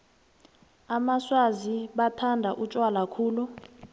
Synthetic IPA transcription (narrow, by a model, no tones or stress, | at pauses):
amaswaziɓatʰandʱaʔut͡ʃʼwalakʰuːlu